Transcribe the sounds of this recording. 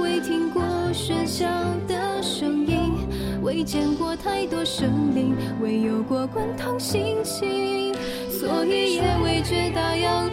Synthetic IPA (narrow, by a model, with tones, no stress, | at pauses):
we˧˥ɪt̪ʰi˥ŋkwɔ˥˧ʂə˥nɕjɑ˧˩d̪ə˨˩ʂɤ˧˥ŋi˥˧n | wʔe˧˥ɪt͡ɕjɛ˨˥˩nkwɔ˥˧t̪ʰa˥˧ɪt̪wɔ˥ʂɤ˧˥ŋli˧˥ŋ | we˧˥ɪjo˨˩ʊkwɔ˥˧kwa˥nt̪ʰʊ˥ŋɕi˥ŋt͡ɕʰi˥ | swɔ˧˥i˨˩jɛ˧˥˩we˧˩ɪt͡ɕɥɛ˧˥t̪ɑ˧˩ʊjɑ˥˧ʊ